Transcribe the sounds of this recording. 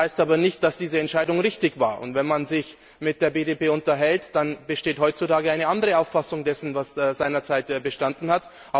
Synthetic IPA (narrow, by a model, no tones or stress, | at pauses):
aɪstaːbɐnɪçt̚d̥asd̥iːzəɛntʃaɪdʊŋʁɪçtɪçva̰ːɐʔʊ̰ntv̥ɛnmanzɪç | mɪt̚d̥eːɐbeːdeːpeːʊntɐɦɛltd̥anbəʃteːthɔʏtt͡sutaːɡəaɪnəʔandəʁəaʊfasʊŋdɛsn̩vaszaɪnɐt͡saɪtbəʃtandn̩hat | ʔa